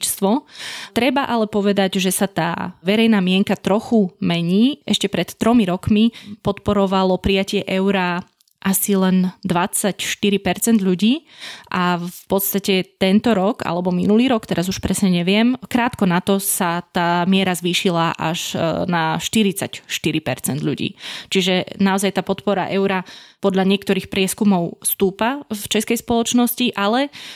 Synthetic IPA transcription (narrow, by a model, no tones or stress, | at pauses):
t͡ʃst̪ʋɔt̪ɾɛbaʔalɛpɔʋɛd̪aɟʒɛsat̪a̰ːʋɛɾɛjnaːmɪɛŋkat̪ɾɔxumɛɲiːʔɛʃcɛpɾɛt̪ːɾɔmiɾɔkmipɔt̪pɔɾɔʋalɔpɾijacɪɛʔɛʊɾa | ʔasilɛnd̪ʋat͡sacʃt̪iɾipɛɾt͡sɛnd̪ʎuɟiːʔafpɔt̪st̪acɛt̪ɛnt̪ɔɾɔɡa̰lɛbɔminuliːɾɔkt̪ɛɾazuʃpɾɛsɲɛɲɛʋɪɛmkɾaːt̪kɔnat̪ɔsat̪aːmɪɛɾazʋiːʃilaʔa̰ʒnaʃt̪iɾit͡sacʃt̪iɾipɛ̰ɾt͡sɛnd̪ʎṵɟḭːt͡ʃiʒɛnaɔzajt̪aːpɔt̪pɔɾa̰ʔɛʊɾapɔd̪ʎaɲɪɛkt̪ɔɾiːxpɾɪɛskumɔʊst̪uːpaft͡ʃɛskɛjspɔlɔt͡ʃnɔsciʔalɛ